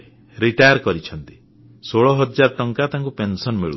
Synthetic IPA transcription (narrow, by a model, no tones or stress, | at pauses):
ɾiʈajɔɾkɔɾit͡ʃʰɔnt̪i̥ | soɭɔɦɔd͡ʒaɾt̪ɔŋkat̪aŋkupensɔnmiɭṵ